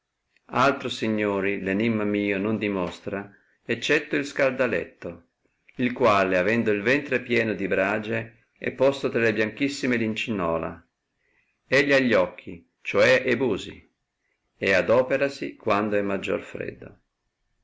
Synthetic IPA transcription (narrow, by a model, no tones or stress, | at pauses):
alt̪ɾosiɲːoːɾilenimːamiːonond̪imɔst̪ɾa | et͡ʃːɛt̪ːoilskald̪alɛ̰t̪ːo | ilkwaːleavɛnd̪oilvɛnt̪ɾepjɛːnod̪ibɾad͡ʒe | ɛ̰pːɔst̪ot̪ɾalebjaŋk̟isːimelint͡ʃinːɔːla̰ | eʎːaʎːɔkʰːi | t͡ʃoɛʔebuːzḭ | ead̪ɔːpeɾasikwand̪oɛmːad͡ʒːo̰rfɾɛ̰d̪ːo̰